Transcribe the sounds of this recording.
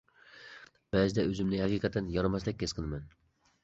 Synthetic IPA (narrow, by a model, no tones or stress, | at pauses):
b̥ɛzɪd̪ɛøzɪmnɪhɛqʰiqʰət̪ːɨnjɑɾɨmɛslˠɪk̚ʲːʰɛsqʰənɨmɛn